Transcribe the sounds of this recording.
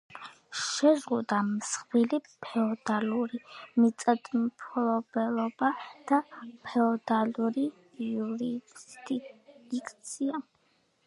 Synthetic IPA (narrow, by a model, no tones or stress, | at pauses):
ʃɛzʁud̪amsχvilipʰɛɔd̪aluɾimit̪sʼad̪ʼmpʰɔlɔb̥ɛlˠɔbad̪̥apʰɛɔd̪aluɾi | juɾid̪id̪̥ikʰʼt̪sʰia